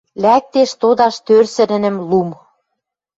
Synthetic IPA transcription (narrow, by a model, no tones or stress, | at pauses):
læk̚t̪eʃt̪od̪ɑʃt̪ørsɘ̆nɘ̆nɘ̆mlum